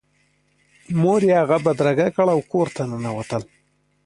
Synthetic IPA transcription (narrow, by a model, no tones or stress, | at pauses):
moɾjehaɣabad̪ɾaɡakəɭawkoɾt̪anənawat̪əl